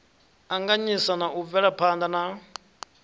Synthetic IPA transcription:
aŋɡaɲisanaʔuvɛɺapʰand̪ana

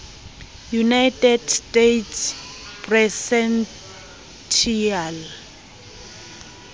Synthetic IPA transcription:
junajtʰʼɛdstetspʰʼrɛsɛn | tʰial

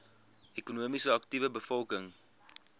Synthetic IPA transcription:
ʔekunuəmisəɐktivəbəfɔlˠkəŋ

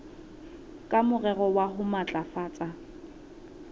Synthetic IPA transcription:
kʼamʊrɛrɔwaɦʊmat͡ɬʼafaːt͡sʼa

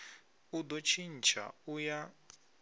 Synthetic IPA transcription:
ud̪ɔt͡ʃʰin̩t͡ʃʰa̰uja

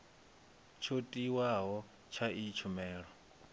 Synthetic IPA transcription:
t͡ʃʰotʼiwaɦɔ | t͡ʃʰait͡ʃʰumɛːɺɔ

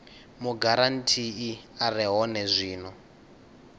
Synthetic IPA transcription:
muɡaɾantʰiiarɛɦɔnɛzʷiːnɔ

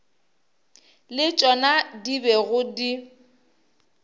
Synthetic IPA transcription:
lɪt͡ʃʼɔnadibɛɣʊdi

